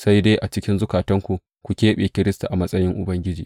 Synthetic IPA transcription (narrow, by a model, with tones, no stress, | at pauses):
sa˦jdeː˦jʔa˨t͡ʃɪ˦kʲɪ˦nzʊ˦kaː˨tɐ˦ŋkʷu˨ | kʷu˨kʲeː˦ɓeː˨kʲɪ˦ɾɪ˦sta˨ʔa˨mɐ˦sʼɐ˦jɪ˦ŋʔʊ˨bɐ˦ŋɡʲɪ˦d͡ʒḭː˨